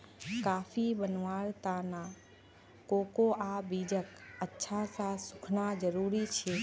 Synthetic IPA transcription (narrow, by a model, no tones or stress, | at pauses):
kaːfʰibənʋaːɾt̪aːna | koːkoʔaːbiːd͡ʒəkətːʃʰasãsʊkʰnad͡ʒəɾuːɾit͡ʃʰeː